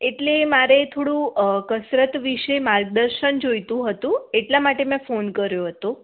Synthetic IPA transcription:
eʈlemaɾet̪ʰoɽũkəsɾət̪ʋiʃemaɾɡ̚d̪əɾʃənd͡ʒojt̪ũɦət̪ũeʈlamaʈemɛ̃fonkəɾjoɦət̪o

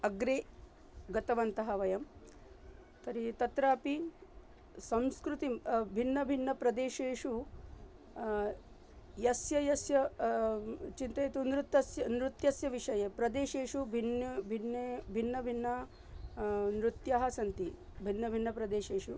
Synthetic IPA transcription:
ɐɡɾeː | ɡɐt̪ɐʋɐnt̪ɐɦɐʋɐjɐm | t̪ɐɾit̪ɐt̪ɾaːpi | sɐ̃mskɾut̪ibʱinːɐbʱinːɐpɾɐd̪eːʃeːʂu | jɐsjɐjɐsjɐ | t͡ʃint̪ɐːt̪unɾut̪ːɐsjɐnɾut̪jɐsjɐʋiʂɐjepɾɐd̪eːʃeːʂubʱinbʱinebʱinːɐbʱinːɐ | nɾut̪jaːɦɐsɐnt̪i | bʱinːɐbʱinːɐpɾɐd̪eːʃeːʂu

